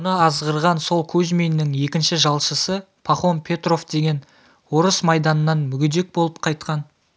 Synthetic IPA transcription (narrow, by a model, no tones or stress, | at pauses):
ʊnəɑzʁəɾʁɑnso̞lˠkʰɵʒmʲenːɪŋje̞kʲɪnʃɪʒɑlˠʃəsə | pʰaχompʲʰe̞t̪ro̞fd̪e̞ɡʲe̞n | wo̞ɾəsmɑjd̪ɑnənɑnmʏɡʲɪd̪e̞k̚bo̞lˠəpqʰɑjt̪̚qɑn